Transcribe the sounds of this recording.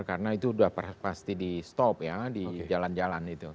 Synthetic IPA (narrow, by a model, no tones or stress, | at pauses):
kaɾənait̪uːdahppast̪idist̪ɔpjadid͡ʒaland͡ʒalanɡit̪u